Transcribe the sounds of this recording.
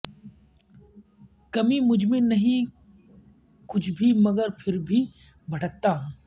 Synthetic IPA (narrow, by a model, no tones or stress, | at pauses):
kɐmimʊd͡ʒʱmẽnɐɦĩ | kʊt͡ʃʰbʱimɐɡəɾpʰɪɾbʱi | bʱɐʈək̚t̪aːɦ